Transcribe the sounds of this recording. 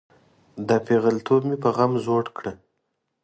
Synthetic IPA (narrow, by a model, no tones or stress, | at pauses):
d̪apeɣalt̪ʰobmipəɣamzoɽkɽə